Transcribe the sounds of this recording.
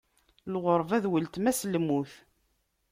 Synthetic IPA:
lʁoɾˤvæðwəlt̪mæslmːuθ

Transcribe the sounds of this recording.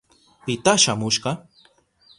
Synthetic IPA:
pɪt̪aʃamʊʃɢɑ

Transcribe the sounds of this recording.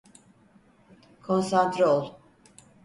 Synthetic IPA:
kʰonsant̪ɾolˠ

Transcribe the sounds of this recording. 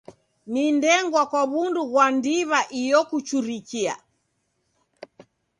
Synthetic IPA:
nindɛŋɡwakwaβunduɣwandiβaʔijɔkut͡ʃuɾikia̰

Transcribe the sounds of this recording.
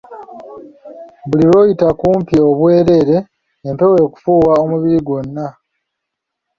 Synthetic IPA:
βuliβo̞ːjitakuːmpio̞βwe̞ːɾe̞ɾe̞ː | mpe̞we̞ːku̥fuːwao̞muβiɾiɡwo̞nːa

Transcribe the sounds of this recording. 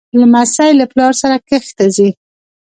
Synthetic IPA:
lamasajlaplɑɾsaɾakəxt̪azi

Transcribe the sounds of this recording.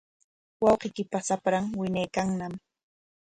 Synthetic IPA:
wɑwqɪkɪpasapɾaŋwɪɲajkaŋnam

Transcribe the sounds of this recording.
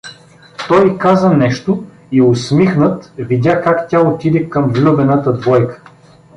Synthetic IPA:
t̪ɔjkazənɛʃt̪ʊ | iʊsmixnət̪vid̪ʲakakt̪ʲaot̪id̪ɛkəmvlʲubɛnat̪əd̪vɔjkə̥

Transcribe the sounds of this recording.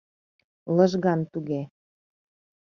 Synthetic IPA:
lɤ̆ʒɣɑnt̪uɣe

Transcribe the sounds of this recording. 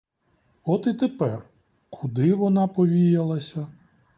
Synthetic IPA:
ɔt̪it̪epɛr | kʰʊd̪ɪʋɔnɑpɔʋʲijɐlˠɐsʲɐ

